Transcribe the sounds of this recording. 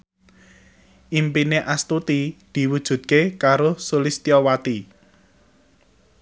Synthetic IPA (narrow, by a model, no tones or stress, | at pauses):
ʔimpineʔast̪ut̪id̪̥i̤wud̥ʒ̥ṳt̪̚kekaɾosulist̪iɔwat̪i